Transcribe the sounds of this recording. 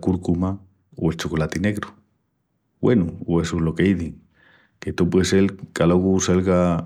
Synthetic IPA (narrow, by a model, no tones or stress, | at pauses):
kuɾkuma | o̰elt͡ʃokolat̪ineɣɾo | bwenooesulokejðiŋ | ket̪opweselkaloɣuselɣa